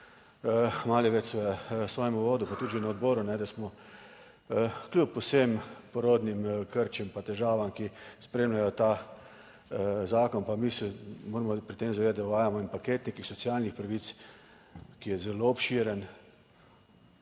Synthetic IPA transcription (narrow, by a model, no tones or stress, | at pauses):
maːliʋɛt͡ʃsɛsʋɔːjɛmuʋoːd̪upat̪ud̪ʒɛnaɔd̪bɔːɾunɛd̪asmɔ | klʲupːɔsempɔɾod̪nimkəɾt͡ʃɛmpat̪ɛʒaːʋamkispɾeːmlʲajɔt̪a | zaːkɔnpamisɛmoːɾmɔpɾit̪eːmzaeːd̪at̪̚d̪auʋaːjamɔinpakeːt̪nikixsɔsiaːlnixpɾaʋit̪s | kijɛzɛloɔpʃiɾən